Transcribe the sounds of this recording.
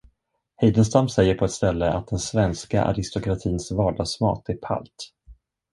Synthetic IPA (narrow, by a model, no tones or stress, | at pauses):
hɛjd̪ənst̪amsɛjːəɾpʰɔɛt̪st̪ɛlːəa̰t̪̚d̪ɛnsvɛnska̰ʔa̰ɾɪst̪ɔkɾat̪ʰiːnsvɑːɖɑːɡsmɑ̰ːt̪æɾpʰa̰lt̪